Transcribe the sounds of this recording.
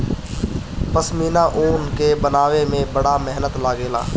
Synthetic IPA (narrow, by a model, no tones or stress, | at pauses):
pɐsmiːnaʔoːnkebɐnaːwemẽbɐɽamɛɦnət̪laːɡeːla̰ː